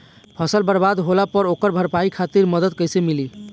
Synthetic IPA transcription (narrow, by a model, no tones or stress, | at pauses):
pʰəsəlbəɾbad̪ɦolapəɾokəɾbʱəɾpaikʰat̪iɾməd̪əd̪̚kəjsemili